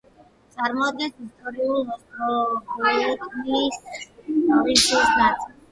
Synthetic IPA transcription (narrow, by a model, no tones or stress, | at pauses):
t̪sʼaɾmɔad̪̚ɡɛnsist̪ʼɔɾiulˠmɔɔɔɛt̪ʼmilis | ɔɾitusnat̪sʼil